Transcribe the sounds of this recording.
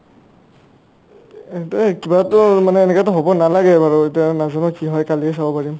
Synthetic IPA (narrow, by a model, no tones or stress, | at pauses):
etkibatʊmanɛːnɛkatɔɦobɔnalaɡɛbaɹɔetianazɔnɔkiɦɔjkaliɛsabɔpaɹim